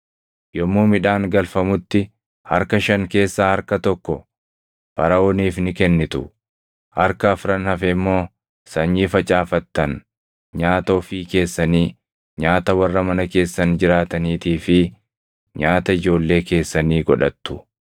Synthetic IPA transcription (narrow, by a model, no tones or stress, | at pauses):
jɔmːoːmɪᶑaːŋɡɐlfɐmʊt̪ːɪ | hɐ̰ɾkɐʃɐŋke̞ːsːaːhɐɾkɐt̪ɔkːɔ | fɐɾɐoːniːfnɪkɛnːɪt̪ʊ | hɐɾkɐːfɾɐnhɐfɛɪmːo̞ː | sɐɲːiːfɐt͡ʃʼaːfɐt̪ːɐn | ɲaːt̪oːfiːke̞ːsːɐniː | ɲaːt̪ɐwɐrːɐmɐnɐke̞ːsːɐnd͡ʒɪɾaːt̪ɐniːt̪iːfɪ | ɲaːt̪ɐɪd͡ʒo̞ːlːe̞ːke̞ːsːɐniːɡɔᶑɐt̪ːʊ̥